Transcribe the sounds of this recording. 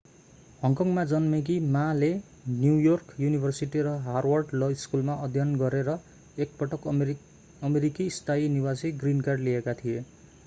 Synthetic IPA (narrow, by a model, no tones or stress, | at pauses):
hʌŋkʌŋmad͡zʌnmek̬imale | njujorkjunibʱʌrsiʈiɾʌɦarwʌrɖlʌiskulmaʔʌd̪ʱjʌnɡʌɾeɾʌ | ek̚pʌʈʌk | ʌmeɾikist̪ʰainiwasiɡrinkarɖliekat̪ʰije